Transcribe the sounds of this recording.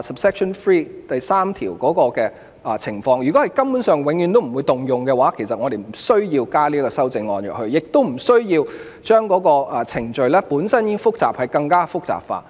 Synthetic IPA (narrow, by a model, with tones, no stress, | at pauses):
sɐ˨p̚sɛː˥k̚sɔ˨˩nfɹiː˥t̪ɐ˨jsaː˥mt̪ʰiː˨˩wkɔː˨˥kɔː˧kɛː˧ | ʔt͡sʰɪ˨˩ŋfɔː˧ŋjyː˨˩kɔː˨˥hɐ˨jkɐ˥mpuː˨˥nsœː˨ŋwɪ˨˥ŋjy˨˧nt̪o˥m̩˨˩wu˨˧jt̪ʊ˨ŋjʊ˨ŋkɛː˧waː˨˥kʰe˨˩sɐ˨t̚ŋɔ˨˧d̪e˨jm̩˨˩sɵ˥ɥjiː˧wkaː˥liː˥kɔː˧sɐ˥wt͡sɪ˧ŋːɔː˧njœ̰˨k̚ɦɵ˧ɥjɪ˨k̚t̪o˥wm̩˨˩sɵ˥ɥjiː˧w | t͡ʃœː˥ŋkɔː˨˥kɔː˧˨t͡sʰɪ˨˩ŋt͡ʃɵ˨ɥlɛː˥puː˨˥nsɐ˥nji˥fʊ˥k̚t͡saː˨p̚hɐ˨jkɐ˧ŋkaː˥fʊ˥k̚t͡sa̰ː˨p̚fa̰ː˧